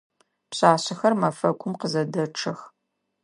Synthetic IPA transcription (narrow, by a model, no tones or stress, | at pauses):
pɕaːɕɪxɐrmɐfɐkʷʰʊmqəzɐdɐʈ͡ʂʰɨx